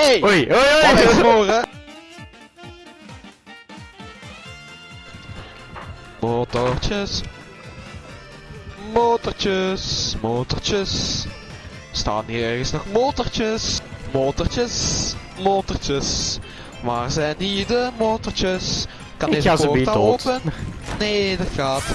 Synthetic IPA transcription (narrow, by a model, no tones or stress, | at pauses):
eojojomoːrə | moːtɔrt͡ʃəs | moːtərt͡ʃəsmoːtərt͡ʃəs | sta̰ːniːɛrɣənsnɔxmoːtərt͡ʃəsmoːtərt͡ʃəs | moːtərt͡ʃəs | maːrzɛjniːdəmoːtərt͡ʃəs | kɑneːazpoiaoːpənneːdɑtxaːt